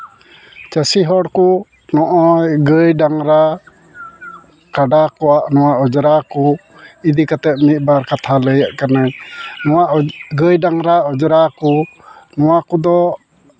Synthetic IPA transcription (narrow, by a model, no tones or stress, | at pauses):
t͡ʃasiɦɔɽku | nɔʔɔjɡəjɖaŋɾa | kaɖakɔwaʔnɔwaʔɔd͡ʒɾaku | id̪ikat̪ɛp̚mit̪̚ˀbaɾkat̪ʰaləjaʔkanajnɔwaʔɡəjɖaŋɾaɔd͡ʒɾakunɔwakud̪ɔ